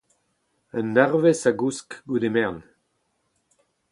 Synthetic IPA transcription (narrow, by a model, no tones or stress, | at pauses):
ənːɛʁvesaɡuskɡud̪emɛʁn